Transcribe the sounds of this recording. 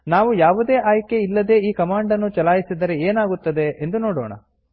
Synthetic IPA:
naːʋujaːʋud̪e̞ːʔaːjke̞ilːɐd̪e̞ːiːkɐmaːɳɖɐnːut͡ʃɐlaːjisid̪ɐɾe̞eːnaːɡut̪ːɐd̪e̞ʔend̪uno̞ːɽoːɳɐ̰

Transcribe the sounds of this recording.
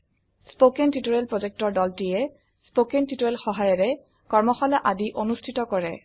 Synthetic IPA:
spokɛntitoɹɛlpɹozɛk̚tɔɹdɔltijɛ | spokentitoɹɛlxɔɦajɛɹɛ | kɔɹmɔxɔlaʔadiʔonustʰitɔkɔɹɛ

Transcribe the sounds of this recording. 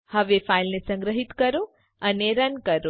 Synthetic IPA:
həʋefailnesə̃ŋɡɾəɦit̪kəɾo | əneɾənkəɾo

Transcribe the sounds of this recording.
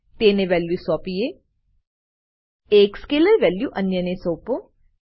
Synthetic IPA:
t̪eːneʋɛːljuːsɔːpije | eːkskeːləɾʋɛːljuːʔɐnjənesoːpo

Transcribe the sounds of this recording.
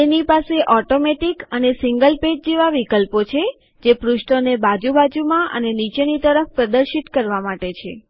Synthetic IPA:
t̪enipaseʔɔʈomeʈikənesiŋɡəlped͡ʒd͡ʒeʋaʋikəlpot͡ʃʰe | d͡ʒepɾuʃʈonebad͡ʒubad͡ʒumãʔə̰nenit͡ʃenit̪əɾəfpɾəd̪əɾʃit̪kəɾʋamaʈet͡ʃʰe

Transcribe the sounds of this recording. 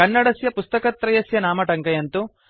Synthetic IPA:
ɐnːɐɽɐsjɐpust̪ɐkɐt̪ːɾɐjɐsjɐnaːmɐʈɐŋkɐjɐnt̪u

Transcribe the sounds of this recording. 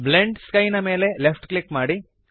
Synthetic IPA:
bleɳɖskɐjnɐme̞ːle̞lepʰʈklikmaːɽi

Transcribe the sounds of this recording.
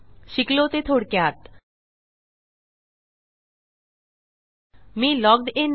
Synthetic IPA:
ʃiklot̪et̪ʰoɽkeat̪ | milɔɡ̚d̪en

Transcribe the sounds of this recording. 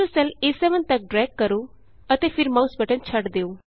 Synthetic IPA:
usɛlesɛʋə̃nt̪ɐk̚ɖɾɛɡ̚kːəɾu | ət̪efʰɪɾmausbəʈə̃nt͡ʃʰəʈd̪eːuː

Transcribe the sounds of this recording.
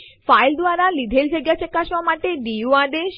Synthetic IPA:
fajld̪ʋaɾalid̪ʱeld͡ʒaɡjat͡ʃekːaʃʋamaʈeɖiuaɖ̪eʃ

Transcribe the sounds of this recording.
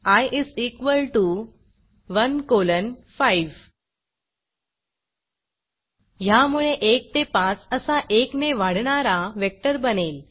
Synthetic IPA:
ajʔisikʋəlʈu | ʋənkolənfaiʋ | jamuɭeʔek̚t̪epãt͡səsaʔekneʋaɽɳaɾaʋek̚ʈəɾbənel

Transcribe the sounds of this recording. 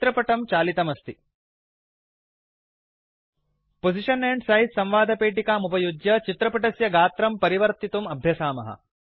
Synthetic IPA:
t̪ɾɐpɐʈɐmt͡ʃaːlit̪ɐmɐst̪i | pod͡ʒiʂɐneɳɖsɐɦit̪sɐ̃mʋaːd̪ʱɐpeːʈikaːmupɐjud͡ʒjɐt͡ʃit̪ɾɐpɐʈɐsjɐɡaːt̪ɾɐmpɐɾiʋɐɾt̪it̪umɐbʱjɐsaːmɐ̰ɦɐ̰

